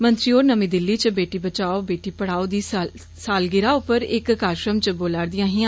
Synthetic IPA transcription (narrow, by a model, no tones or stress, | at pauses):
mənt̪ɾiːoːɾnəmĩːd̪ɪlːiːt͡ʃəbeːʈiːbət͡ʃaːoːbeːʈiːpəɽaːoːd̪iː | saːlɡɪɾaːʊpəɾɪkːaːɾʃɾəmt͡ʃəboːlaːɾd̪ɪjãːɦɪãː